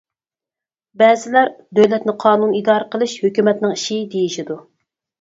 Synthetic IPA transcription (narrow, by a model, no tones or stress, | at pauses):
bɛːzɪlæɾd̪øwlɛt̪nɪqʰɑːnunid̪ɑːɾəqʰəlˠɨʃhøkʲymɛt̪nɪŋiʃid̪ejiʃid̪u